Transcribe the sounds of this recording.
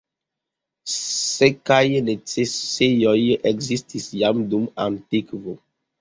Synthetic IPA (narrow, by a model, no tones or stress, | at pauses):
sekajnet͡sesejojekzistisjamduma̰ntikvo